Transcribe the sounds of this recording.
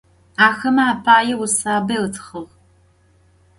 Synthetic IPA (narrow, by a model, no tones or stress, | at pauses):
aːxɐmɐaːpʰaːjɛwʊsaːbɐɨtʰχɐʁ